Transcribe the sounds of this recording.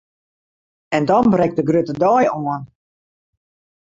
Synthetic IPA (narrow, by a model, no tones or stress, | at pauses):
ɛndɔnbrɛk̚tdəɡrytədɔːjoən